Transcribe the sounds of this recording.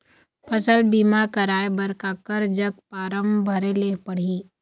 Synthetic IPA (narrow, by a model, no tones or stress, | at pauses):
pʰɐsəlbiːmakəɾaːebɐɾkaːkəɾd͡ʒəɡ̚paːɾəmbʱəɾelepɐɽ̤iː